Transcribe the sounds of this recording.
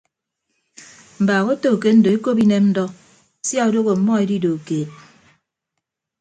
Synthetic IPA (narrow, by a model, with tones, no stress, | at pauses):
m̩˨baː˨ɣo˦to˨ke˦n̩˦do˨e˦ko˦p̬i˦ne˦mn̩˦dɔ˦ | sja˦o˨do˦ɣo˨m̩˨mɔ˦e˦di˦do˨keː˨t̚